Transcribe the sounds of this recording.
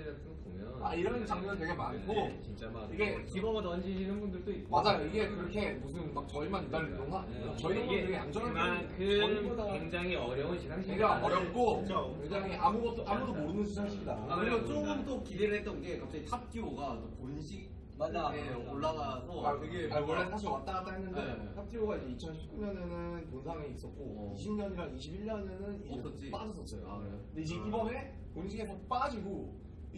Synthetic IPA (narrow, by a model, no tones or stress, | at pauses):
ɯ | oaiɾʌnt͡ɕaŋɲʌnɯnt̬we̞ɡe̞ma̰nɡʰot͡ɕint͡ɕ͈aaiɡe̞kibʌɡanʌnd͡ʑiɕʰinɯnbundɯɭt͈oimad͡ʑajoiɡe̞kɯɾʌkʰe̞musʰɯnmak̚t͡ɕʌimanit͈aɭidoŋaɲot͡ɕʌinɯkeɡejaŋd͡ʑʌnaɭmakɯodaeŋd͡ʑaŋɦiʌɾjʌŋɯnɕʰinaŋɕiɡeaʌɾjʌk͈ot͡ɕʰokweŋd͡ʑaŋiʔamuɡʌt̚t͈oʔamudomoɾɯnɯnsʰɯaaɕʰiidakɯɾimʌnt͡ɕ͈oɡɯmt͈okideɾɯɭɦet͈ʌnɡe̞kap̚t͡ɕ͈aɡitʰap̚t͈ʰioɡatoponɕʰik̚ | manːaaeooɭːanasʰʌateɡeawʌɭːatʰaʌat͈anat͈aɦenːɯndetʰap̚tʰioɡaid͡ʑe̞it͡ɕʰʌnɕʰi̥p̚k͈uɲʌnenɯnponsʰaŋeis͈ʌt̚k͈oiɕʰimɲʌniɾaŋiɕʰibiɭɲʌnenɯnis͈ʌt͡ɕ͈ip͈ad͡ʑʌs͈ʌs͈ʌjoende̞id͡ʑe̞ʔibʌne̞ | ponɕʰikɡʰe̞sʰʌp͈ad͡ʑiɡo